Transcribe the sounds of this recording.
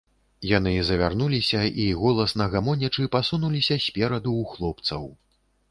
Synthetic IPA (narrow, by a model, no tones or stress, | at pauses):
jan̪ɨzɐvʲarnulʲisʲɐʔiɣɔlˠɐsnɐɣamɔnʲɐt͡ʂɨpasunulʲisʲɐsʲpʲɛɾɐd̪uːxlˠɔpt̪sɐw